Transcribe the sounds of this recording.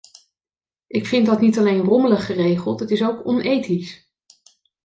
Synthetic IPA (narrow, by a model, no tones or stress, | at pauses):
ʔɪkfɪntdɑtnitɑlejnrɔmələχərejχəlˠtɦətɪsowkɔnejtis